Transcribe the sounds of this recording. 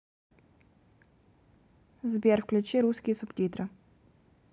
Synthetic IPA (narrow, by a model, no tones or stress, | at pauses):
zbʲjɛɾfklʲut͡ʃiɾuskʲisupt̪ʲit̪ɾɐ